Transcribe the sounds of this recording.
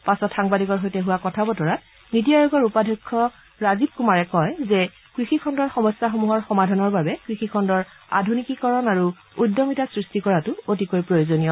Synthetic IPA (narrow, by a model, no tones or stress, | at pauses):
pasɔtxaŋbadikɔɹɦojtɛɦuwakɔtʰabɔtɔɹa | nit̬ijajɔɡɔɹupadʱɔkʰːɔ | ɹazib̚kumaɹɛkɔjzɛ | kɹixikʰɔndɔɹxɔmɔsjaxomuɦɔɹxɔmadʱanɔɹbabɛkɹixikʰɔndɔɹ | a̰dʱunikikɔɹɔnaɹu | udːɔmitasɹistikɔɹatʊot̬ikojpɹojozonijɔ